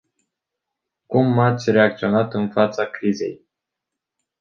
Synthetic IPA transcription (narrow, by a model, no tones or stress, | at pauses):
kumːat̪sʲre̞ak̚t̪sio̞nat̪ɨnfat̪sakɾize̞̰j